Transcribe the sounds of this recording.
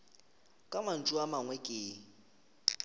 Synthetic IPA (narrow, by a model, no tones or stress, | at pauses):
kʼaman̩t͡ʃʼuamaŋwɛkʼeː